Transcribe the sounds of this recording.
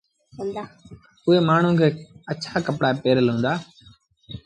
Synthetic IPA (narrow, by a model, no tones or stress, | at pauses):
ʊɦeːmaːɳ̤ũːkʰeːət͡ʃʰaːkəpɽaːepeːɾəlɦũːnd̪aː